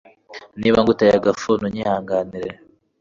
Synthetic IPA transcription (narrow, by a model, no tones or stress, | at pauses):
niːβaŋɡutajaɡafunuɲihaːŋɡaniɾe